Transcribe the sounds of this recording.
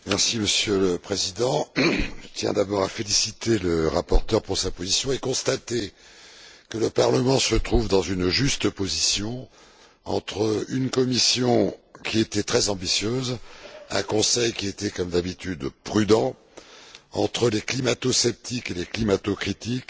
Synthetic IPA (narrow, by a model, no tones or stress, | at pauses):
mɛʁsiməsjøləpχezid̪ɑ̃ʒət̪jɛ̰̃d̪abɔʁafelisit̪eləʁapɔʁt̪œʁpuʁsapozisjɔ̃ekɔ̃st̪at̪e | kələpaʁləmɑ̃sət̪χuvd̪ɑ̃zynʒyst̪əpozisjɔ̃ | ɑ̰̃t̪χəynkɔmisjɔ̃kʲiet̪ɛt̪χɛzɑ̃bisjøzɛ̰̃kɔ̃sɛjkʲiet̪ɛkɔmd̪abit̪yd̪pχyd̪ɑ̃ | ɑ̰̃t̪χəleklimat̪osɛp̚t̪ikeleklimat̪okχit̪ik